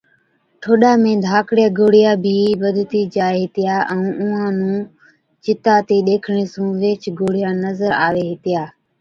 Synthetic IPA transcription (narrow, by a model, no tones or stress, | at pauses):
ʈʰoːɗaːmẽːd̪ʱaːkɽɪjaːɡoːɽɪjaːbʱiːɓəd̪ʱt̪iːd͡ʒaːeɦɪt̪ɪjaːʔɛ̃ũːʔʊ̃ːãːnũː | t͡ʃɪt̪aːt̪eːɗ̪eːkʰɳ̃eːsũːʋeːt͡ʃɡoːɽɪjaːnəzəɾa̰ːʋeːɦɪt̪ɪjaː